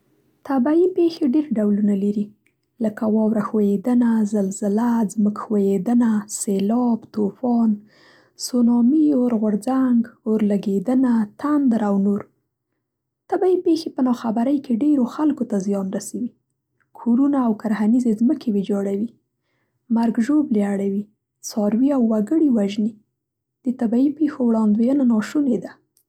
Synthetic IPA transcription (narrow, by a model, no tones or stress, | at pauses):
t̪abaipexeɖeɾɖawlunalaɾi | ləkawɑwɾaxwajed̪ənazalzəlazməkxwajed̪ənaselɑbt̪ofɑn | sonɑmioɾɣʊɾzaŋɡoɾlaɡed̪ənat̪and̪ɾawnoɾ | t̪abaipexepənɑxabaɾəjkeɖeɾoxalkot̪azijɑnɾasawi | kʰoɾunaːwkaɾhanizezməkʰewed͡ʒɑɽawi | maɾɡʒobleaɽawi | sɑɾwiawːaɡəɽiwaʒne | d̪̥ət̪abaipexowɽɑnd̪wejənanɑʃuned̪a